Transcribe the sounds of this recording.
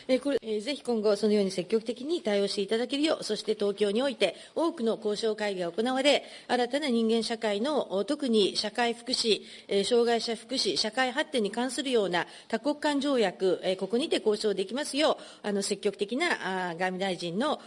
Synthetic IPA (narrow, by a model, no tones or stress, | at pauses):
ekoeze̞çi̥kõ̞ŋɡo̞so̞nojo̞ːɲ̟ise̞kʲːo̞kɯ̟t̪e̞kʲiɲ̟it̪aio̞ːɕi̥t̪e̞it̪ad̪ake̞ɾɯ̟jo̞̰ːso̞ɕi̥t̪e̞t̪o̞ːkʲo̞ːɲ̟io̞it̪e̞ | o̞ːkɯ̟no̞ko̞ːɕo̞ːkaiɡʲiaoko̞naβaɾe̞ | aɾat̪anaɲ̟ĩŋɡẽ̞ɰ̃ɕakaino̞t̪o̞kɯ̟ɲ̟iɕakaiɸɯ̟̥kɯ̟ɕi | ɕo̞ːɡaiɕaɸɯ̟̥kɯ̟ɕiɕakaiɦat̪ːe̞ɲ̟ikãɰ̃sɨɾɯ̟jo̞ːna | t̪ako̞kːãɲ̟d͡ʑo̞ːjakɯ̟ko̞ko̞ɲ̟it̪e̞ko̞ːɕo̞ːd̪e̞kʲimasɨjo̞ː | ano̞se̞kʲːo̞kɯ̟̥e̞kʲinaʔɡamʲid̪aiʑĩnːo̞